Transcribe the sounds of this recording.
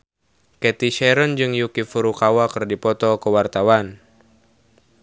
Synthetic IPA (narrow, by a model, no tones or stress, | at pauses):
kɛt̪iʃɛɾɔnd͡ʒɨŋjukifuɾukawakɨrdipɔt̪ɔkəwart̪awan